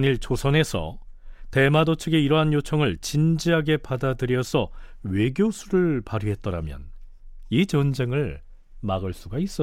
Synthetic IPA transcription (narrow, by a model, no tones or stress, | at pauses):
niɭt͡ɕosʰʌne̞sʰʌ̰ | te̞madot͡ɕʰɯɡeiɾʌɦanjot͡ɕʰʌŋɯɭt͡ɕind͡ʑiɦaɡe̞padadɯɾjʌsʰʌwe̞ɡjosʰuɾɯɭpaɾuɦe̞t̚t͈ʌɾamjʌ̰n | it͡ɕʌnd͡ʑe̞ŋɯɭ | maɡɯɭs͈uɡais͈ʌ